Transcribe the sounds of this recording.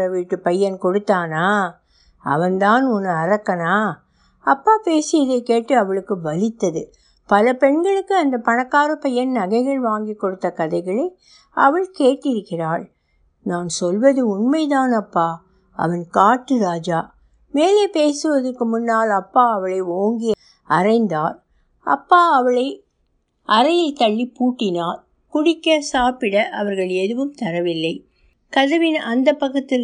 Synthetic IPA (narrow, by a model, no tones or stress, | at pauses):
ɐʋiːʈːɯpɐjːɐnkɔɽɯt̪ːaːnaː | ɐ̰ʋɐnd̪aːnɔnːɯɐɾɐkːɐnaː | ɐpːaːpeːsɪjɐðɐɪkːeːʈːɯɐʋɐɭɯkːɯʋɐlɪt̪ːɐðɯ̰ | pɐlɐpɛɳɡɐɭɯkːɯɐnd̪ɐpɐnɐkːaːɾɯpɐjːɐnnɐɣɐɪɣɐɭʋaːŋɡikːɔɽɯt̪ːɐkɐðɐɪɣɐɭɐɪ | ɐʋɐɭkeːʈːɪɾɯkːɪraːɭ | naːnsɔlʋɐðɯʊnmɐɪt̪aːnɐpːaː | ɐ̰ʋɐnkaːʈːɯɾaːd͡ʒaː | meːleːpeːsɯʋɐðɐrkːɯmʊnːaːlɐpːaːɐʋɐɭɐɪoːŋɡɪj | ɐrɐɪnd̪aːɾ | ɐ̰pːaːɐʋɐɭɐɪ | ʔɐɾɐjɐlt̪ɐɭːipuːʈːɪnaːɾ | kʊɽɪkːɐsaːpɪɽɐʔɐʋɐɾɣɐɭɛðɯʋɯmt̪ɐɾɐʋɪlːɐɪ | kɐðɐʋɪnɐnd̪ɐpːɐkːɐt̪ːɪ